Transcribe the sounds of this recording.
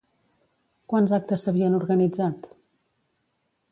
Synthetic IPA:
kwanzak̚t̪əsːəβiənuɾɣənid͡zat̪

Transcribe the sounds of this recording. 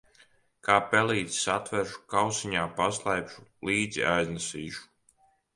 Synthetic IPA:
kaːpɛliːt̪sat̪vɛɾʃu̥kawsiɲaːpaslˠajpʃu̥liːd̪zḭajznɛsiːʃu̥

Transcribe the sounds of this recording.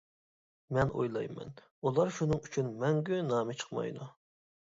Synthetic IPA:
mɛnʔo̰jlˠɑ̰jmɛ̰n | ulˠɑɾʃunɨŋyt͡ʃʰynmɛŋɡʲynɑːmɨt͡ʃʰə̥χmɑ̰jd̪u

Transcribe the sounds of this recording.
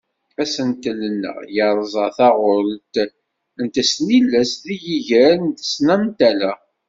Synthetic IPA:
æsənt̪ələnːə̰ʁjəɾˤzˤəθɑʁʊɾt̪ | ənt̪əsnilːæsðijiʝæɾənt̪ə̥snæmt̪ælæ

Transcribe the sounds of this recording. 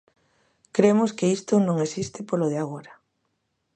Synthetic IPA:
kɾemʊskeist̪ʊnõŋesist̪ɪpoloð̞ɪaɣ̞oɾa

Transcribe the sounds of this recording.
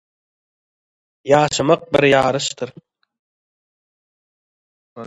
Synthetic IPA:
jɑːʃɯmɑq̚bɪ̰ɾjɑːɾɯʃt̪ɨɾ

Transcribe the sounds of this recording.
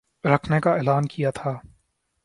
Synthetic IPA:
ɾɐkʰnekaeːlaːnkijat̪ʰaː

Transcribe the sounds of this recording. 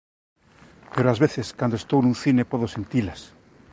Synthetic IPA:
peɾoazβeθeskand̪oest̪ownũnθinepoðosent̪ilas

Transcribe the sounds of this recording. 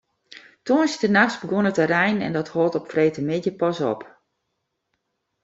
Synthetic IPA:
toːnsɪtənaxsbəɡonətəɾɛjnɛ̰ndɔthɔlˠtɔpfreːtəmɪtjəpɔsɔ̰p

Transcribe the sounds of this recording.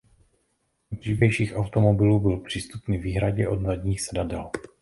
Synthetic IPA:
br̥iːvɛjʃiːxʔawt̪o̞mobɪluːbɪlpr̝̥iːst̪upniviːɦɾaɟɛʔo̞dnadɲiːxsɛdadɛl

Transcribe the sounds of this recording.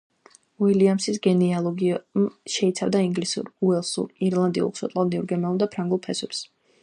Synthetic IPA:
wiliamsisɡɛnialˠɔɡiʃɛit̪sʰavd̪aiŋɡlisṵɾuɛlˠsṵɾiɾlˠand̪ḭṵlˠksɔt̪ʼald̪iuɾɡɛmɛulˠd̪apʰɾaŋɡulˠpʰɛswɛps

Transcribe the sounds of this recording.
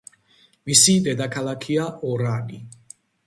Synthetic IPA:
misid̪ɛd̪akʰalakʰiaʔɔɾani

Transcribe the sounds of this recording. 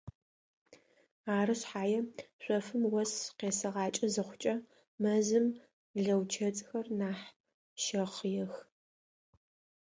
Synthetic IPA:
aːrɨɕħaːjɛɕʷʼɔfɨmwɐsqeːsɐʁɑːt͡ʃʼɐzɨχʷʊt͡ʃʼɐ | mɐzɨm | ɮɐwt͡ʃʰɐt͡sʼxɐrnaːħ | ʃɐχjɛx

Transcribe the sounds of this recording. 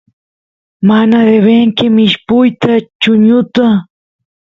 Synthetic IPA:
manaɾeβeŋkɪmɪʃpʊjt̪at͡ʃʊɲʊt̪a

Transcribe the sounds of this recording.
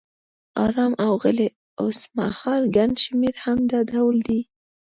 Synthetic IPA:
ɑ̰ɾɑmʔawɣəle | ʊsma̰hɑɾɡanʃmeɾhamd̪ɑd̪awld̪i

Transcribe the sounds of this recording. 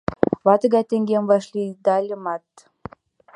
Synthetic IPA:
βɑt̪ə̆ɣɑjt̪eŋɡemvɑʃlʲid̪ɑlʲəmɑt̪

